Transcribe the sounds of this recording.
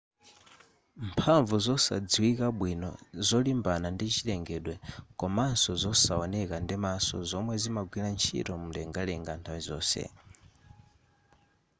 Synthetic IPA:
mpʰaɱvuzɔsa̰d͡ziwikaɓwinɔ̰zɔlimbanandit͡ʃʰilɛŋɡɛɗwɛkɔmansɔzɔsaɔnɛkandimasɔ̰zɔmwɛzimaɡwilant͡ʃʰḭtɔmulɛŋɡalɛŋɡantʰawizɔːsɛ̰

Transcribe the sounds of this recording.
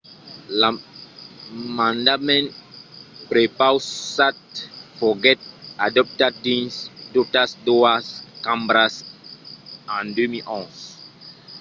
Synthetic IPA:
la | mãndamɛ̃n | pɾepawsat̚fɔɡɛt̚adɔp̚tad̚dĩnsdɔp̚tasdɔaskãmbɾas | ãndemiʔɔ̃s

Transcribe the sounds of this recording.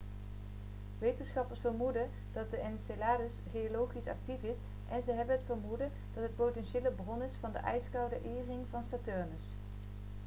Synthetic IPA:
ʋejtənsχɑpəɹsfəɹmudə | d̥ɑt̚dəʔɛnselaːdəsχejolowχisɑ̰k̚tifɪs | ʔɛnzəɦɛbənɦətfəɹmudə | d̥ɑtɦət̚powtɛnʃeːləbrɔnɪsfɑndə̰ʔɛjskɑwdəʔɪːrɪŋvɑnsaːtœɹnəs

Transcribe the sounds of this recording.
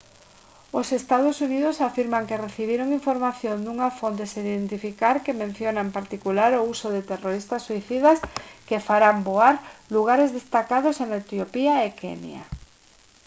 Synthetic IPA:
osest̪aðʊsuniðʊsafiɾmaŋkereθiβ̞iɾoŋiɱfoɾmaθjõnd̪uŋafont̪̬esiðent̪ifikaɾkemẽn̟θjonaempaɾt̪ikulaɾousoðet̪eroɾist̪asːuiθiðaskefaɾamboaɾluɣ̞aɾezðest̪akaðosenaet̪jopiaekḛnj̰a̰

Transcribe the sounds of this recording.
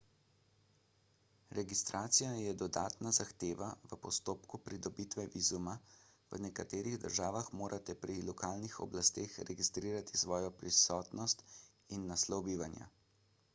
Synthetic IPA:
ɾɛɡist̪ɾʔaːt̪sijajɛd̪ɔd̪a̰ːt̪nazaxt̪eːʋaʋəpɔst̪oːpkupɾid̪ɔbiːt̪ʋɛʋiːzumaʋənɛkat̪eːɾiɣd̪əɾʒaːʋaxmoːɾʔat̪ɛpɾilɔkaːlnixɔ̰blast̪eːxɾɛɡist̪ɾiːɾat̪isʋɔːjɔpɾisɔːt̪nɔst̪ | inːaslɔwbiːʋanja̰

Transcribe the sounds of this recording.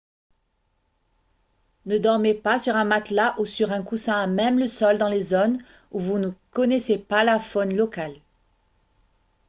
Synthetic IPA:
nəd̪ɔʁmepasyʁɛ̃mat̪laʔusyʁɛ̃kusɛ̃amɛmləsɔld̪ɑ̃lezon | uvunəkɔnɛsepalafɔnlɔkal

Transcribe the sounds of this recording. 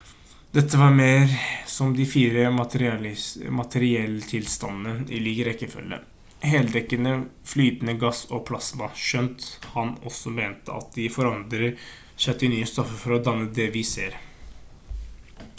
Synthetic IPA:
d̪̥ɛt̪ʰːəʋɑɾmeːɾsɔmd̪ɪfiːɾəmɑt̪əɾlmɑt̪ʰəɾɪɛlːət̪ʰɪlst̪ɑnːənɪ̰liːɡəɾɛkːəfœ̰lːə̰ | ɦeːld̪ɛkːənəflyːt̪ənəɡɑsɔpʰlɑsmɑɕœnt̪hɑnɔsːɔmeːnt̪əɑ̰t̪̚d̪ɪfɔɾɑnd̪ɾəɾ | ɕœt̪ːənyːəst̪ɔfːəfɔɾɔd̪ɑnːəd̪ɛʋɪseːɾ

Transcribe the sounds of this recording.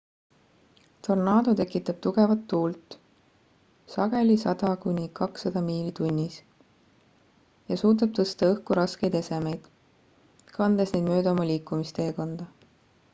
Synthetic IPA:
t̪o̞rnɑːd̪ot̪e̞kːˑit̪ːˑɑb̥̚t̪uɡ̥e̞vɑt̪ːuːlt̪ːˑ | sɑɡ̥e̞lʲisɑd̪̥ɑkunʲikɑksːɑd̪̥ɑmiːlit̪unʲːis | jɑsuːt̪̬ɑb̥̚t̪ɤst̪ɑɤhkuɾɑske̞jd̪e̞se̞me̞jd̪̥ | kɑnd̪̥esne̞jd̪mø̞ːd̪eo̞mɑlʲiːkːˑumist̪eːko̞nd̪̥ɑ

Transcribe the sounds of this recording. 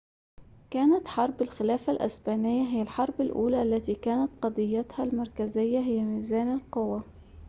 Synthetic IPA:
kaːnat̪ħɑɾˤbɪlxɪlaːfalʔa̰sbaːnɪjːaɦɪjːalħɑɾˤbɪlʔṵːlaːʔalːat̪iːkaːnat̪qɑd̪ˤɨjːat̪halmɑɾˤkazɪjːaɦɪjːamiːzaːnɪlqʊwa

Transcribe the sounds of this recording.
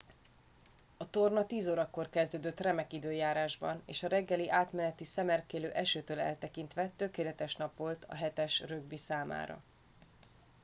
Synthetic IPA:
ɒt̪o̞rnɒt̪iːzoːɾɒkːo̞rkɛzd̪øːd̪øt̪rɛmɛkid̪øːjaːɾaːʒbɒ̰nḛːʃɒɾɛɡːɛliʔaːt̪mɛnɛt̪isɛmɛrkeːløːʔɛʃøːt̪øːlɛ̰lt̪ɛkint̪ʋɛt̪ø̞keːlɛt̪ɛʃnɒpʋo̞lt̪ɒ̰ɦɛt̪ɛʃrø̞ɡbisaːma̰ːɾɒ̰

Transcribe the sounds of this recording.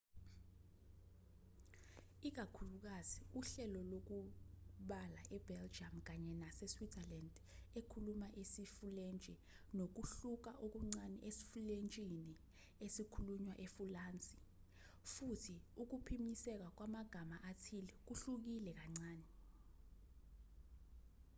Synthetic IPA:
ik̬akʰuluk̬aziuɬɛlɔlok̬uɓala̰ʔɛb̥ʱɛld͡ʒamk̬aɲɛnasɛswiɛland | ekʰulumaʔesifulent͡ʃʼi | nok̬uɬuk̬aʔok̬uŋ͡ǀanḭʔesi̥fulent͡ʃʼini | esikʰuluɲwaʔefulaːnt͡sʼi | futʰiuk̬upʰimisɛk̬ak̬wamaɡ̥ʱamaʔatʰilɛk̬uɬuk̬ilɛk̬aŋ͡ǀaːnɛ

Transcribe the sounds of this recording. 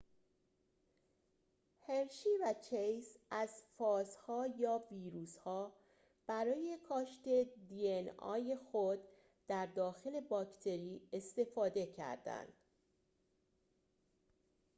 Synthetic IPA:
heɾʃiːvæt͡ʃʰejsæzfɒːzhɒːjɒːviːɾuːshɒː | b̥æɾɒːje̞kʰɒːʃt̪e̞d̪iːenɒ̰ːje̞xod̪ | d̪æɾd̪ɒːxe̞le̞bɒːct̪ʰe̞ɾiːe̞st̪e̞fɒːd̪e̞cʰæ̰ɾd̪æ̰nd̪̥

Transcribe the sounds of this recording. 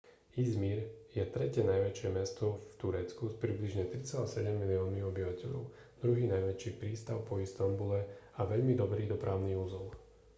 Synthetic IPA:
izmiɾjɛt̪ɾɛcɛnajʋɛt͡ʃɪɛmɛst̪ɔft̪uɾɛt͡skuspɾibliʒɲɛt̪ɾit͡sɛlasɛɟɛmːiliɔːnmiɔbiʋacɛʎɔ̰ʊ | d̪̥ɾuɦiːnajʋɛt͡ʃiːpɾiːst̪aʊpɔist̪ambulɛaʋɛʎmid̪ɔbɾiːd̪ɔpɾʔaʊniːuzɔl

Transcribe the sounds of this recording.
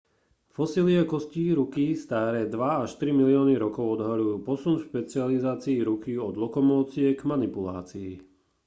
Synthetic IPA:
fɔsiliakɔsciːɾukist̪aːɾɛːd̪ʋaaʃt̪ɾimilɪɔːniɾɔkɔʊɔd̪ɦalujuːpɔsunfʃpɛt͡sializaːt͡siːɾukiɔd̪lɔkɔmɔːt͡sɪɛɡmanipulaːt͡siː

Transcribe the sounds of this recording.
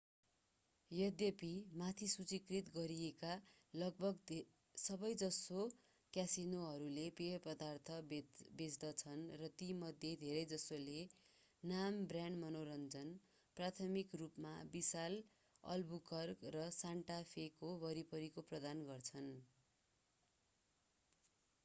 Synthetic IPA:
jʌd̪jʌpimat̪ʰisut͡sikrit̪ɡʌɾieka | lʌɡ̚bʱʌɡd̪ | sʌbʌjd͡zʌso | kjasinoɦʌɾulepepʌd̪art̪ʰʌbed͡zd̪ʌt͡sʰʌnrʌt̪imʌd̪ʱjed̪ʱeɾʌjd͡zʌsole | nambrjaɳɖmʌnoɾʌnd͡zʌn | prat̪ʰʌmikrupmabisal | ʌ̰lbukʌrkrʌsaɳʈapʰekobʌɾipʌɾikoprʌd̪anɡʌrt͡sʰʌn

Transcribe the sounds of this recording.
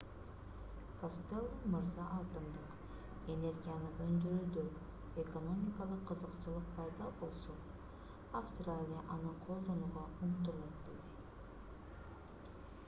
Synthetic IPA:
kost̪elˠːmɯɾzɑʔɑlˠt̪ɯmd̪ɯq | e̞ne̞rɡʲijanɯʔønd̪øɾyd̪ø | eko̞no̞mʲikɑlˠəqʰːɯzəqt͡ʃɯlˠɯq̚pʰɑjd̪ɑbo̞lˠso | afst̪ralʲɪjaʔɑnɯqʰo̞lˠd̪o̞nuːʁɑuɴt̪ulˠɑt̪̚d̪e̞d̪i

